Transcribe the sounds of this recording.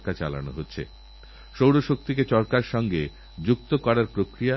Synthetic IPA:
kat͡ɕa̰la̰no̰ɦotːɕʰḛ | ʃowɾoʃok̚t̪ik̬et͡ɕɔɾkaɾʃɔŋɡe | d͡ʑuk̚t̪okɔɾaɾpɾokɾija

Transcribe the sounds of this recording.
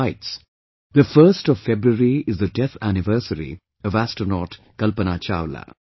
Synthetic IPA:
ɪʈs | d̪əfəɾsʈɔʋfebɾuəɾiɪzd̪əɖɛt̪ʰænɪʋəɾsəɾḭ | ɔʋæsʈənɔʈ | kʌlpənaːt͡ʃa̰ːʋla̰

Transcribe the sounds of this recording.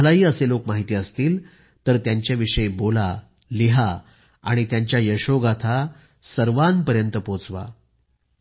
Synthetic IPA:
laɦiːəselokmaɦit̪iːəst̪iːl | t̪əɾt̪jaɲt͡ɕjaʋiʂəjbola | liɦa | aɽ̃it̪jaɲt͡ɕjajəɕoɡat̪ʰa | səɾʋanpəɾjənt̪əpot͡sʋa̰

